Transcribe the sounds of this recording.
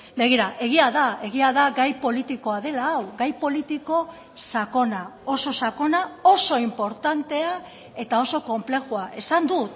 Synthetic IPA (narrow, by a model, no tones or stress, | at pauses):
be̞ɣiɾaʔe̞ɣ̞iaðae̞ɣ̞iaðaɡajpo̞lit̪iko̞aðe̞laːwɡajpo̞lit̪iko̞ | sako̞nao̞so̞sako̞nao̞so̞impo̞ɾt̪ant̪e̞a | e̞t̪ao̞so̞ko̞mple̞xuaʔe̞sand̪ut̪